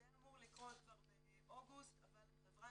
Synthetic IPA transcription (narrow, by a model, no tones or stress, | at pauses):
ɛnamuʁlikʁotaʁbe | oɡust̪aval | avʁa